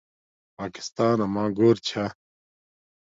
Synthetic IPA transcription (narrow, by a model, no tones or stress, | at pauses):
paːki̥st̪aːnɐmãːɡoːɾt͡ɕʰa